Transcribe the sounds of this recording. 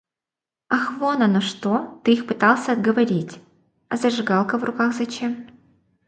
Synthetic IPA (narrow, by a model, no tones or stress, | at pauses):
ɐxvonɐnoʂt̪ot̪ɨixpɨt̪alˠsʲɐɐd̪̚ɡəvɐɾʲitʲ | ɐzɐʐɨɡalˠkəvrʔʊkaxzɐt͡ɕem